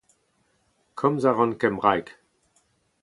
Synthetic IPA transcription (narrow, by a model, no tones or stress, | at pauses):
kʰɔmzaʁɔ̃nkɛmʁajk